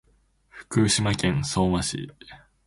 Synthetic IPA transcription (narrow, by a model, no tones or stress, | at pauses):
ɸɯ̟̥kɯ̟ːɕimakẽ̞ñsoːmaɕḭ